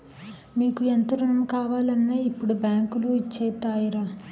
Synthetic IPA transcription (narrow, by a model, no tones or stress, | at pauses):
miːkuent̪uɾunɐmkaːʋaːlɐnːeːipːuɽubjaːŋkuluit͡ʃːɛːt̪aːjiɾaː